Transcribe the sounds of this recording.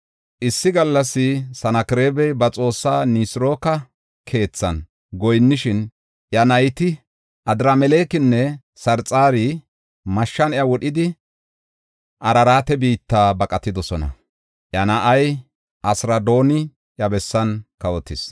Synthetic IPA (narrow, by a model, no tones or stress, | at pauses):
ʔɪsːɪɡɐlːɐsːɪsɐnɐkɪɾe̞ːbɛjbɐt͡sʼo̞ːsːaːnisɪɾo̞ːkɐ | kʰe̞ːt͡sːɐn | ɡɔjnːɪʃɪn | ʔjɐnɐjt̪ɪ | ʔɐd̪ɾamɛleːkɪnːɛ | sɐɾt͡sʼaːɾi | mɐʃːɐnjɐwɔɗɪd̪ɪ | ʔɐɾɐɾaːt̪ɛbiːt̪ːaːbɐkʼɐt̪ːɪd̪ɔsɔnɐ̰ | ʔjɐnɐʔɐj | ʔɐsɾɐd̪o̞ːnɪ | ʔjɐbɛsːɐnkɐwɔt̪ːɪs